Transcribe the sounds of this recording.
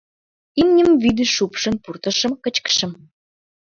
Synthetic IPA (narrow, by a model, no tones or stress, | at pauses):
imnʲəmvid̪ɘʃupʃə̆npurt̪ə̆ʃə̆mkət͡ɕkə̥ʃə̆m